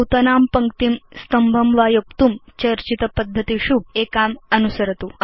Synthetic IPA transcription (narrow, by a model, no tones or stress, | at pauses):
t̪ɐnaːmpɐŋkt̪imst̪ɐmbʱɐmʋaːjuk̚t̪umt͡ʃɐɾt͡ʃit̪ɐpɐd̪ʱːɐt̪iʃubeːkaːmɐnusɐɾɐt̪u